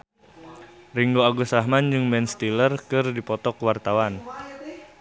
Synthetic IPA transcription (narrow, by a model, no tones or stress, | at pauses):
riŋɡoaɡusaɦmand͡ʒɨŋmɛnst̪ilərkɨrdipɔt̪ɔkwart̪awan